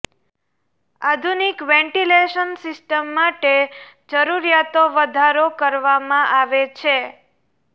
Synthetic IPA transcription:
ad̪ʱunikʋɛ̃ɳʈileʃənsɪsʈəmːaʈed͡ʒəɾuɾijat̪oʋəd̪ʱaɾokəɾʋamãʔaʋet͡ʃʰe

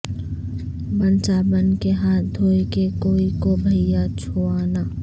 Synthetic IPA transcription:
bənt͡ʃaːbənkeɦaːt̪d̪ʱoːikekoːikobʱəɪjat͡ʃʰoːanaː

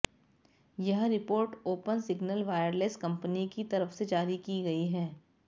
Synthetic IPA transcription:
jɐɦɾɪpoːɾʈoːpənsɪɡnəlʋaːjəɾleːskɐ̃mpənikit̪ɐɾəfsed͡ʒaːɾikiɡɐiɦɛː

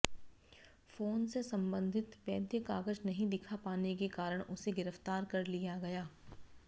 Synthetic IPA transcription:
foːnsesɐ̃mbə̃nd̪ʱɪt̪ʋɛːd̪jəkaːɡəd͡ʒnɐɦĩd̪ɪkʰapaːnek̬ekaːɾəɽ̃ʔʊseɡɪɾəft̪aːɾkɐɾlijaɡɐjaː

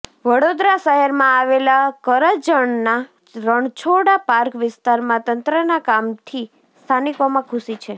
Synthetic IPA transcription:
ʋəɽod̪ɾasəɦɛɾmãaʋelakəɾəd͡ʒəɳna | ɾəɳt͡ʃʰoɽapaɾkʋɪst̪aɾmãt̪ənt̪ɾənakamt̪ʰi | st̪ʰanikomãkʰʊsit͡ʃʰe

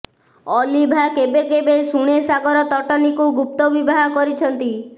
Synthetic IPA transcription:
ɔlibʱakebekebesuɽ̃esaɡɔɾɔt̪ɔʈɔnikuɡup̚t̪ɔbibaɦɔkɔɾit͡ʃʰɔnt̪i

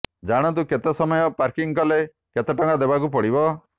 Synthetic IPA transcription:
d͡ʒaɽ̃ɔt̪̬uket̪ɔsɔmɔjɔpaɾkiŋkɔle | ket̪ɔʈɔŋɡad̪ebakup̬ɔɽibɔ

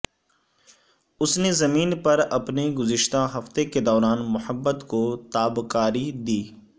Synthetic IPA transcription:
ʊsnezɐmiːnpɐɾɐpneɡʊzɪʃt̪aɦɐft̪eked̪ɔːɾaːnmʊhəbːət̪kot̪aːbkaːɾid̪iː

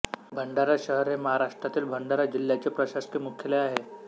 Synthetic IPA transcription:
bʱəɳɖaɾaɕəɦəɾɦeməɦaɾaʂʈɾat̪iːlbʱəɳɖaɾad͡ʑil̤ːjat͡ɕepɾəɕaskemukʰjəleaɦe

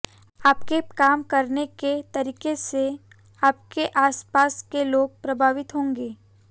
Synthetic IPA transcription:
aːpkekaːmkɐɾneket̪ɐɾiːkese | aːp̚keʔaːspaːskeloːɡ̚pɾɐbʱaːʋɪt̪ɦõːŋɡeː

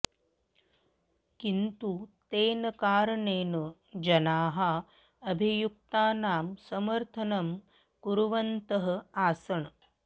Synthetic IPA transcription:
kint̪ut̪eːnɐkaːɾɐɳeːnɐ | d͡ʒɐnaːɦɐ | ɐbʱijuk̚t̪aːnaːmsɐmɐɾt̪ʰɐnɐm | kuɾuʋɐnt̪ɐɦɐ̆aːsɐɳ

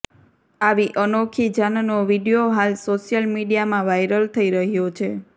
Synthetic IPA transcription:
aʋiʔənokʰid͡ʒannoʋiɖijoɦalsoʃjəlmiɖijamãʋajɾəlt̪ʰəiɾəɦjot͡ʃʰe

